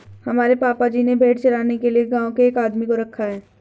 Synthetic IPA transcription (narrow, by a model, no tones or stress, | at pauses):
hɐmaːɾepaːpad͡ʒiːnebʱeːʈt͡ʃɐɾaːnekelieɡãːõkeːkaːd̪mikoɾɐkʰːaɦɛː